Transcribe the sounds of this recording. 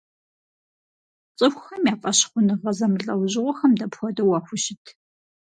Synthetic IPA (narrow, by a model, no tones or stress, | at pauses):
t͡sʼɨxʷxɐmjaːfʼɐɕχʷʊnɨʁɐzɐmɮʼɐwʑɪʁʷɔxɐmdɐpxʷɔdɐwɑːxʷʊʃɪtʰ